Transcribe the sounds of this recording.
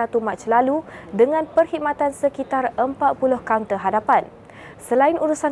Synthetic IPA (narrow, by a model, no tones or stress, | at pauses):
at̪umat͡ʃlaludəŋãnpərhimat̪ansəkit̪arəmpat̪̚pulʊhkaunt̪əɦadapan | səlainuɾusa